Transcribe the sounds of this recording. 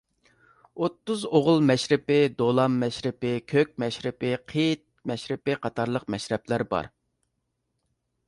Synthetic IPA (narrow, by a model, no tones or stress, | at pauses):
ot̪ːʊzoʁʊlˠmɛʃɾɪpɪd̪olˠɑmːɛʃɾɪpɪkʲʰøk̚ʲmɛʃɾɪpɪqʰit̪̚mɛʃɾɪpɪqʰɑt̪ʰɑɾlˠəq̚mɛʃɾɛplæɾbɑ̰ɾ